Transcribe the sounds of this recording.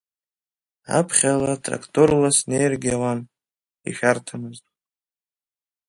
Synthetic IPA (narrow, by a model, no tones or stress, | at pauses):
a̰pʰχʲalatʼra̰kʰtʰʼorlasnejrɡʲiawan | ḭʃʲᶣartʰamɨztʼ